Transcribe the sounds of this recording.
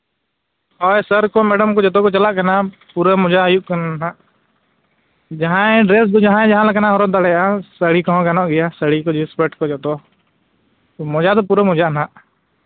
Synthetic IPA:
ɔːesəɾkoːmeːɖəmkoːd͡ʒət̪oːkot͡ʃəlaːkənaː | puːɾəmʊd͡ʒajukənna | d͡ʒəɦãːẽɖɾeːs̬d̪od͡ʒəɦãːẽːd͡ʒəɦãːləkənãːɦoɾod̪aɽeaːsəɽiːkɔ̃õkənõːɡɪjaːsəɽiːkod͡ʒispeːʈkoːd͡ʒət̪oː | mʊd͡ʒaːt̪opuːɾemʊd͡ʒaːnaː

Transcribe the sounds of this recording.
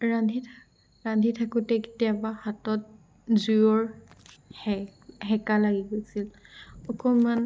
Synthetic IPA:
ɹadʱitʰ | ɹandʱitʰakutɛke̥tijabahatɔt̚ | zujɔɹ | hɛɦɛkalaɡiɡojsilɔkɔman

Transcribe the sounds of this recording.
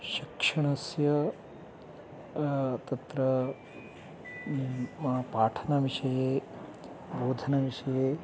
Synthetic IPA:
ʃikʂɐɳ̃ɐsjɐ | t̪ɐt̪ɾɐ | ɐpaːʈʰɐnɐʋiʂɐjeː | boːd̪ʱɐnɐʋiʃɐjeː

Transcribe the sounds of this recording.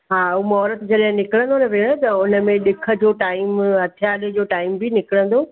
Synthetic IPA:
ɦaːumɔːɾət̪d͡ʑɐɗɦɪ̃nɪkɪɽə̃n̆d̪onɐʋeɽ̃ət̪ɐʊnə̆mẽɗɪkʰə̆d͡ʑoːʈaːɪmɦɐt̪ʰijaːlid͡ʑoːʈaːɪmbʱinɪkɪɽə̃nd̪oː

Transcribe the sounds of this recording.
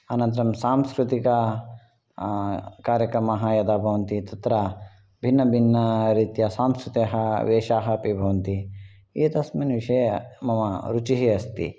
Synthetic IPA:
ɐnɐ̃nt̪ɐɾɐmsaːmskɾut̪ikɐ | kaːɾjɐkɾɐmɐɦɐjɐd̪aːbʱɐʋɐnt̪it̪ɐt̪ɾɐ | bʱinːɐbʱinːɐɾiːt̪jɐsaːmskɾut̪ɐɦɐʋeːʃaːɦɐpibʱɐʋɐnt̪i | iːt̪ɐsminʋiʂɐjɐmɐmɐɾut͡ʃiɦiɐst̪ḭ

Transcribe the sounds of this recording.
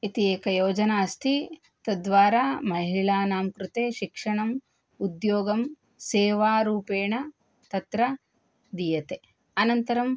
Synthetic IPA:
it̪ieːkɐjoːd͡ʒɐnaːst̪ʰi | t̪ɐd̪ʋaːɾaːmɐɦiɭaːnaːmkɾut̪eːʃikʂɐɳɐm | ud̪joːɡɐm | seːʋaːɾuːpeːɳɐ | t̪ɐt̪ɾɐ | d̪ijɐt̪e | ɐnɐnt̪ɐɾɐm

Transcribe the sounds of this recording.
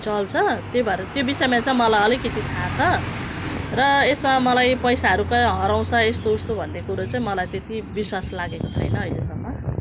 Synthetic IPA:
t͡sʌlt͡sʰʌt̪jobʱaeɾt̪jobisʌjemat͡saĩmʌlajʌlikʌt̪it̪ʰat͡sʰʌ | rʌesmamʌlajpʌjsaɦʌɾukʌɦʌɾaw̃sʰʌest̪oust̪obʱʌnːekuɾot͡saĩmʌlajt̪et̪ibiswaslaɡekot͡sʰʌ̰jnʌːjlḛsʌmːʌ

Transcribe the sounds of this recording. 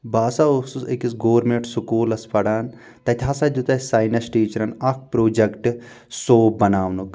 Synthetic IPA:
baːsaosusekisɡoːɾmeʈsukuːlɐspɐɽaːn | t̪ɐt̪ʰʲɦasɐd̪ut̪ɐsaːjnɐsʈiːt͡ʃɐɾɐnɐk̚ʰpɾoːd͡ʒɐkʈɨ | soːbbɐnaːʋnuk

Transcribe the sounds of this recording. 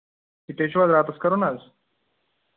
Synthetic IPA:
it̪eɕʋazɾat̪əskəɾonad͡z

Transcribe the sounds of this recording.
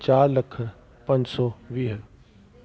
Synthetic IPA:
t͡ʃaːɾlɐkʰɾ | pɐ̃ɲd͡ʑsɔʋiːɦ

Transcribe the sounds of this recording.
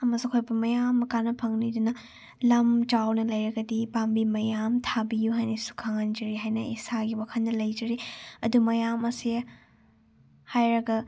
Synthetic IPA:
ɐmɐsukʰojbɐmɐjamːɐkanɐpʰɐŋnidunɐ | lɐmt͡ʃawnɐlɐjɾɐɡɐdipambimɐjamtʰabijuɦajnɐsu̥kʰaŋɐnd͡ʒɐɾiɦajnɐḭsaɡiwakʰɐnːɐlɐjd͡ʒɐɾiɐdumɐjamɐsi | hajɾɐɡɐ

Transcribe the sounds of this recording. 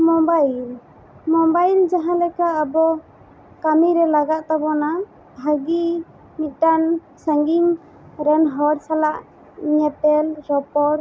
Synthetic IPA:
mɔmbajil | mɔmbajld͡ʒaɦãlɛkaʔːbɔ | kamiɾɛlaɡaʔ̪̚t̪abɔna | aɡi | mit̪̚ˀʈan | saŋɡiŋ | ɾɛnɦɔɽsalaʔ | iɲɛtɛlɾɔpɔɾ

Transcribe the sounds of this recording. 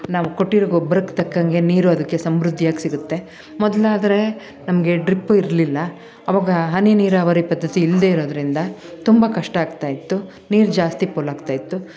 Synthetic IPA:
naːʋuko̞ʈːiɾoːɡobɐɾɐkt̪ɐkːɐŋɡe̞niːɾuɐd̪ɐkːe̞sɐmɾud̪ʱːjaːɡisiɡut̪ːe̞ | mɔd̪ɐlaːd̪ɐɾe̞ | nɐmɐɡe̞ɖɾipːuiɾlilːɐ | ɐʋaːɡɐɦɐniniːɾaːʋɐɾipɐd̪ːɐt̪iːld̪e̞iɾo̞ːd̪ɐɾind̪ɐt̪umbɐkɐʂʈɐaːɡt̪aːjit̪ːu | niːɾd͡ʒaːst̪ipoːlaːɡt̪aːjit̪ːu

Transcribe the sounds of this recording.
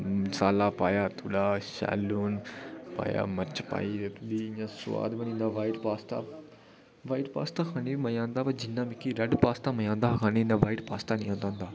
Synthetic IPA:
saːlaːpaːjaːt̪ʰuːɽaːʃa̰ːluːnpa̰ːja̰ːmɐt͡ʃpa̰ːiɾet̪ud̪iɲãːsʊʋa̰ːd̪bɐnĩːnd̪aːʋaːɪʈpaːst̪a̰ː | ʋaːɪʈpa̰ːst̪aːkʰaːneimɐjãːnd̪aːpɐd͡ʒɪnːaːmɪkːiɾɐɖpaːst̪aːmɐjãːnd̪akʰaːnenaʋaːɪʈpaːst̪aːnĩːãnd̪ãːnd̪aː

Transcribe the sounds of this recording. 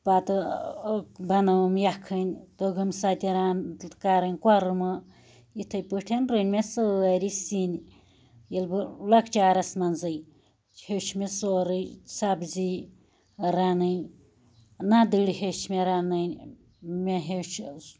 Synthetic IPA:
pat̪ɨ | bɐnɐwmjakʰɨnʲt̪oɡɨmsat̪ʲiɾankaɾɨnʲkʷaɾɨmɨ | jit̪ʰɐjpɨʈʰenɾɨnʲmesɨɐɾisin | jilbɨlɐkt͡ʃaːɾɐsmɐnzɨj | hewt͡ʃʰmesoɾɨjsabzi | ɾanɨnʲ | nad̪ɨɽihet͡ʃʰmeɾanɨnʲ | meɦewt͡ʃʰ

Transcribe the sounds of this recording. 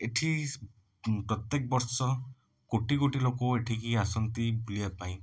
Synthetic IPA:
eʈʰi | pɾɔt̪jek̚bɔɾsɔ | koʈikoʈilokoeʈʰikiasɔnt̪ibʱuliapaĩ

